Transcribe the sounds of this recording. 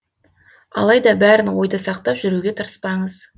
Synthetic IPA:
ɑ̰lˠɑjd̪ɑbæɾɪnwo̞jd̪əsɑqt̪ɑpʒʏɾuɡʲe̞t̪ʰəɾəspɑɴəz

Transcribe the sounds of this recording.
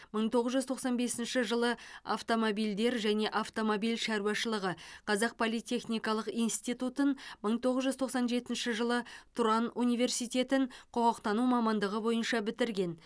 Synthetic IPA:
məɴt̪ʰo̞ʁəzʒʏzt̪ʰo̞qsɑnbe̞sɪnʃɪʒəlˠəa̰ft̪o̞mobijld̪e̞ɾʒæne̞ʔaft̪o̞mobijlʃæɾuwɑʃəlˠəʁəqʰɑzɑq̚pʰolˠijt̪ʲe̞χnijkɑlˠəqijnst̪it̪ut̪ənməɴt̪ʰo̞ʁəzʒʏzt̪ʰoqsɑnʒe̞t̪ɪnʃɪʒəlˠət̪ʰuɾɑnunijve̞rsijt̪ʲe̞t̪ɪɴqʰoʁɑqt̪ɑnumɑmɑnd̪əʁəbo̞jənʃɑbɪt̪ɪɾɡʲe̞n

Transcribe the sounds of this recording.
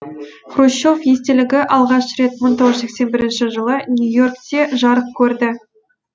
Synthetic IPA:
χroɕːo̞fje̞st̪e̞lɪɡʲɪʔɑlˠʁɑʃɾe̞t̪mənt̪ʰo̞ʁəzʃe̞kse̞nbɪɾɪnʃɪʒəlˠənʲujo̞rkt̪e̞ʒɑɾəq̚kʲʰɵɾd̪ɪ

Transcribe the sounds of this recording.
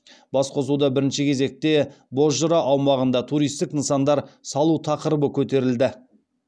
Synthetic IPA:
bɑsqʰo̞sud̪ɑbɪɾɪnʃɪkʲʰe̞ze̞k̚t̪e̞ | bo̞zʒʊɾɑʔɑwmɑʁənd̪ɑt̪ʰuɾijst̪ɪknənsɑnd̪ɑɾsɑlˠut̪ʰɑqəɾəbəkʲʰɵt̪e̞ɾɪld̪ɪ

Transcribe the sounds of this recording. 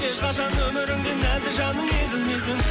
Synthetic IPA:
eʃqɑʃɑnɵmɪɾɪŋd̪enæzɪʒɑnəmed̪ɪlmejsɪŋ

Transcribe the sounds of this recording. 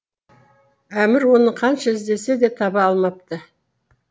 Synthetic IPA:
æmɪɾwo̞nəqʰɑnʃɑɪzd̪e̞se̞d̪e̞t̪ʰɑbɑːlˠmɑp̚t̪ə

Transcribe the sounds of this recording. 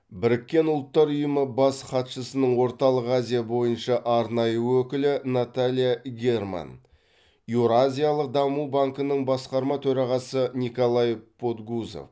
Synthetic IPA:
bɪɾɪkʲːe̞nʊlˠət̪ːɑɾʊjəməbɑsχɑt̪ʃəsənəɴwo̞ɾt̪ɑlˠəqazʲijabo̞jənʃɑʔɑɾnɑjəwɵkʲɪlɪnat̪alʲijaɡʲe̞rma̰n | uɾazʲijalˠəq̚d̪ɑmubaŋkənəɴbɑsqɑɾmɑt̪ʰɵɾɑʁɑsənʲikolˠajpʰot̪ɡuzo̰f

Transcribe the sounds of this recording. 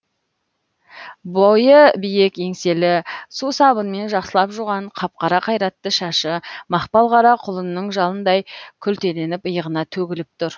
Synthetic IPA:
bojəbije̞ke̞ŋse̞lɪsusɑbənme̞nʒɑqsəlˠɑpʒuʁɑɴqʰɑp̚qɑɾɑqʰɑjɾɑt̪ːəʃɑʃəmɑχpɑlˠʁɑɾɑqʰʊlˠənːəɴʒɑlˠənd̪ɑjkʲʰʏlt̪e̞le̞nɪpəjəʁənɑt̪ʰɵɡʲɪlɪp̚t̪ʰʊɾ

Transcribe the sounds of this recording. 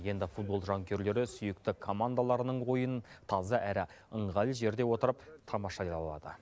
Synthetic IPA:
je̞nd̪ɪfut̪̚bo̞lˠʒɑŋkʲʰe̞ɾle̞ɾɪsʏjɪk̚t̪ɪkʰo̞mand̪alˠɑɾənəɴwo̞jənt̪ʰɑzəʔæɾɪ | əɴʁɑlˠʒe̞ɾd̪e̞wo̞t̪əɾəpt̪ʰɑmɑʃɑjɑlˠɑ̰d̪ə̰

